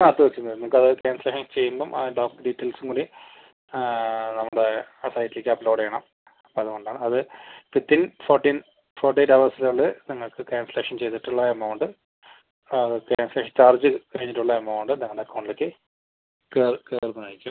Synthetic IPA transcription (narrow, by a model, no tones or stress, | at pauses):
aɐt̪ːuʋet͡ɕːunɐðnɐmukːɐðɨkeːnsleːʂɐnt͡ɕe̞jːumboːmʔɐɖoːkɖiːtːɐlsuŋkuːɽi | nɐmːuɽe | asɐjtːilekʲːɐpːloːɽejɐɳɐm | ɐpːoːɐðukoɳɖaːɳɨɐðɨipit̪ːinfoːrʈːiːn | foːrʈ̬ieʈːɐʋɐrsilɭːɨniŋːɐɭkɨkeːnsɐleːʂɐnt͡ɕe̞jt̪iʈːuɭːɐɐmɐwɳɖɨ | keːnsleːʂɐnt͡ɕaːrd͡ʑɨkɐɻiɲːiʈːuɭːɐemɐwɳɖɨniŋːɐɭɽekːɐwɳɖlekʲːɨ | kerkeːrnunaːjikʲːu